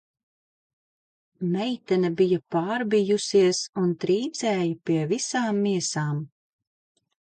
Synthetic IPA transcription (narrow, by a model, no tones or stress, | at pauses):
mɛjt̪ɛnɐbijɐpaːɾbijusiɛsunt̪ɾiːd̪zɛːjɐpiɛvisaːmːiɛsaːm